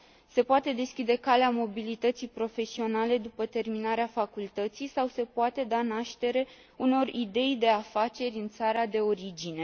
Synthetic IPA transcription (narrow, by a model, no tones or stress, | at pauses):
se̞poat̪e̞d̪e̞skʲid̪e̞kaleamo̞bilit̪ət̪sijpɾo̞fe̞sio̞nale̞d̪upət̪e̞rminaɾeafakult̪ət̪sijsawse̞poat̪e̞d̪anaʃt̪e̞ɾe̞ | uno̞rid̪e̞jd̪e̞afat͡ʃe̞ɾʲɨnt̪saɾad̪e̞o̞ɾid͡ʒine̞